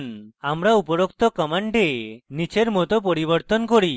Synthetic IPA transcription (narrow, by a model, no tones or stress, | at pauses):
namɾaupɔɾɔkt̪ɔkəmaɳɖenit͡ʃʰeɾmɔt̪ɔp̬ɔɾiβɔɾt̪ɔnkɔɾi